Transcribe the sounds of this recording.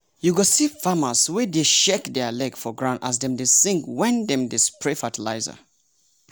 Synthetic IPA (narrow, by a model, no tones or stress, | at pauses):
juɡosifaməswideʃɛkdɛlɛɡfɔɡɹãʊ̃nda̰sdɛ̃mdɪsĩŋkwɛ̃ndɛ̃mdɪspʰɹɛfatʰila̰ɪzə̰